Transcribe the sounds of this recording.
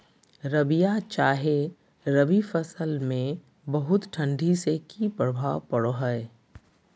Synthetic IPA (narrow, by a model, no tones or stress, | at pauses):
ɾɐbijat͡ʃaːɦe | ɾɐbifəsəlmẽ | bɐɦʊt̪ʈʰə̃ɳɖʱisekipɾəbʱaːwpɐɽoɦəe